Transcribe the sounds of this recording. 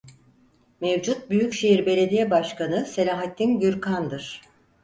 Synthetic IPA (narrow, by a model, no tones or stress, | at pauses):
mevd͡ʒut̪̚byjycʃejiɾbe̞lʲe̞d̪ijɛbaʃkanɯse̞lʲaːɦat̪ːinɟyɾkʰand̪ɯɾ̥